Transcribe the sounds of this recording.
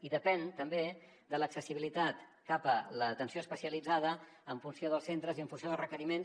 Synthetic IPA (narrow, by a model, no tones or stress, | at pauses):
iðəpɛnt̪əmbe | d̪ələksəsiβilit̪at̪kapələt̪ənsijoəspəsiəlid͡zað̞ə | əɱfunsioðəlˠsent̪ɾəziəɱfunsjoðlˠrəkəɾimens